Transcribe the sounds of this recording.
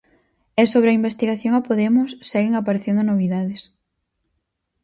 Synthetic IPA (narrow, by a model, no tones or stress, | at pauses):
ɛsoβ̞ɾeɐimbest̪iɣaθjoŋapoðɛmʊsːɛɣeŋapaɾeθjend̪onoβ̞iðaðes